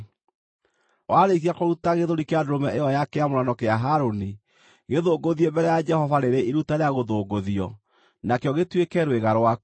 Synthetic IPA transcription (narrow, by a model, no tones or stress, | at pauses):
waɾekiakoɾutaɣeðoɾikeadoɾomɛʔeɔjakeamoɾanɔkeaɦaɾoni | ɣeðoːɡoðiembɛɾɛjad͡ʒɛhɔvaɾeɾeʔiɾutaɾeaɣoðoːɡoðiɔ | nakeɔɣetwekɛɾweɣaɾwa